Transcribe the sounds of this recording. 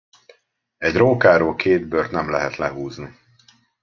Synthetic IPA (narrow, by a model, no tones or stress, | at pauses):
ɛɟroːkaːɾoːkʰeːd̪̚bøːrt̪nɛmlɛɦɛt̪lɛɦuːzni